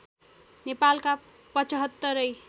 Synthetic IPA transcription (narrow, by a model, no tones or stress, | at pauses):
nepalka | pʌt͡sʌɦʌt̪ːʌɾʌj